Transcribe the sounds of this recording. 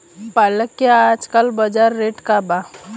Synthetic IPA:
paləkːaad͡ʒkəlbəd͡ʒaɾːeːʈkaba

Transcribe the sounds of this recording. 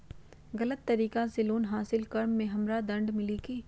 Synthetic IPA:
ɣɐlət̪ːɐɾiːkãseloːnɦaːsɪlkɐɾmːẽɦɐmɾad̪ɐ̃ɳɖmɪliːkeː

